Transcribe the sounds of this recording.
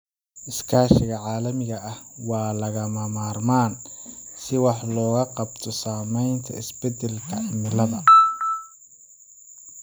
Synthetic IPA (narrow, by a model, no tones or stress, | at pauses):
ʔɪskʰaːʃɪɣɐʕɑːlɐmɪɣɐɐhwɑːlɐɣɐmɐmaːrmaːnsɪwɑħlɔːɣɐqɑbt̪ʰɔsaːmɛjnt̪ʰɐ̰ɪsbɛd̪ɛlkʰɐʔɐmɪlɐðɐ